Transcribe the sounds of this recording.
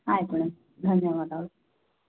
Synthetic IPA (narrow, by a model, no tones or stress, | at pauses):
ajpuɽ̃e | d̪ʱənːjəʋad̪a